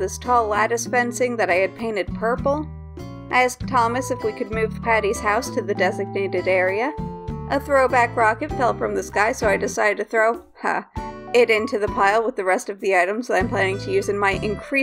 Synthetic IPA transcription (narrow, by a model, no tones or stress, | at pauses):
ðɪstʰɔlæɾɨspɛ̃nsɪ̃ŋðɨɾaɪɨd̚pʰẽɪ̃ñɨd̚pʰɜ˞pl̩ˠ | ʔaɪæsk̚tʰɑmɨsɨfwikʰɨd̚mʉv̥pʰæɾiz̥haʊstʰɨðɨdɛzɨɡ̚neɪɾɨɾɛɹiɨʔəθɹoʊbækɹɑkɨtfɛlˠfɹʌ̃mðɨskaɪsoʊaɪdɨsaɪɾɨd̚tʰɨθɹoʊ | ʌ̰ɪɾɪ̃ntʰʉðɨpʰaɪlˠwəðɨɹɛstʌvðiaɪɾɨ̃m̩zəɾãɪ̃mpʰl̥æ̃nɪ̃ŋtʰɨjʉzɨ̃nmaɪʔɨ̃nkʰɹ̥i